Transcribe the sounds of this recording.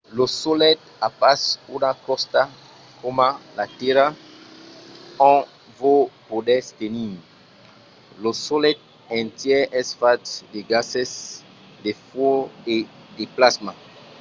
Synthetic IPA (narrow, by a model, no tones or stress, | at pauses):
losolɛt̪̚ | apasunakɔst̪a | komalat̪ɛɾa | ɔ̃ | vopodɛst̪enĩ | losolɛt̪̚ | ɛ̃nt̪jɛɛsfat̪deɡasɛs | defɔe | deplasma